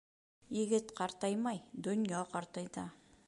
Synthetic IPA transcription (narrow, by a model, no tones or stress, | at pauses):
jɪɡɪt̪qʰɑɾt̪ɑjmɑjd̪ɵnjɑqɑɾt̪ɑjd̪ɑ